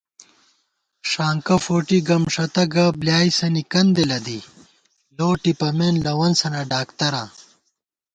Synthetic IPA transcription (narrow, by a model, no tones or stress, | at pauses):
ʂaːŋkɐfoːʈiɡɐmʂɐt̪ɐɡɐbljaːisɐnikɐnd̪elɐd̪i | loːʈipɐmeːnlɐwɐnsɐnɐɖaːkt̪ɐɾaː